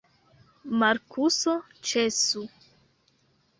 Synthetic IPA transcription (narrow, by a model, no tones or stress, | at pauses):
maɾkʰuso | t͡ʃesu